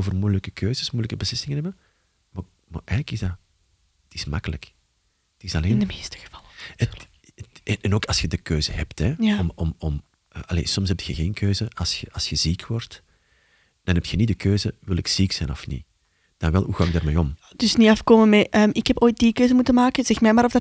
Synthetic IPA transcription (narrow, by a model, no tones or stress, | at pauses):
oːvərmujləkəkʰøːzəsmujləkəbəslɪsɪŋənɦɛbə | ma | ma̰ʔɛjɣələkɪzda | ətɪsmakələ̰k | ətɪsɑleɪːndəmeːstə̥ɣə̥v̥ɑlˠəə | ɛnʔɛnoːkɑlˠsxədəkøːzəɦɛptɛjɔmɔmɔm | əːʔɑlḛːsɔmshɛp̚txəɣeːnkʰøːzəɑsxəɑsxəziːkwɔrt | d̥ɑnɦɛp̚txənidəkʰøːzəwɪlɪksiksɛjnɔfnḭ | d̥ɑnʋɛlˠɦuɣaːɪɡ̚daːrmeːɔm | d̥ʏsniɑfkoːməmɛʔəːmɪkhɛpoːjt̚dikøːzəmutənmaːkəz̥ɛxmɛjmaːɾɔvdɑ